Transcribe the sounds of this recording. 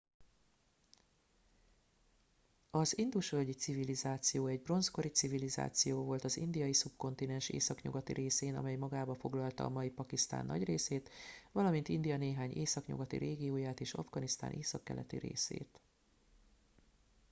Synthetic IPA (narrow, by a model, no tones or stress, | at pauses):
ɒzind̪uʃølʲɟit̪sivilizaːt̪sijoːɛɟbro̞nsko̞ɾit̪siviliza̰ːt̪sijoːvo̞lt̪ɒzḭnd̪ijɒjisubko̞nt̪inɛnʃḛːsɒkɲṵɡɒt̪ḭɾeːseːnɒ̰mɛjmɒɡaːbɒfo̞ɡlɒlt̪ɒ̰ːmɒjipɒkist̪a̰ːnːɒ̰ɟreːseːt̪vɒlɒmint̪ind̪ijɒneːɦaːɲeːsɒkɲṵɡɒt̪ḭɾeːɡijoːjaːt̪eːʃɒ̰vɡɒnist̪a̰ːnʔeːsɒkːɛ̰lʔɛ̰t̪ḭɾḛːsḛːt̪